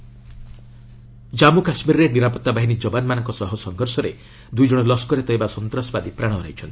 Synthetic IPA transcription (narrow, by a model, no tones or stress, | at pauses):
d͡ʒamukasmiɾɔɾeniɾapɔt̪ːabaɦiñid͡ʒɔbanmanɔŋkɔsɔɦɔsɔŋɡʱɔɾsɔɾe | d̪ujd͡ʒɔɽ̃ɔlɔskɔɾet̪ɔjbasɔnt̪ɾɔsɔbad̪ipɾaɽ̃ɔɾait͡ʃʰɔnt̪i̥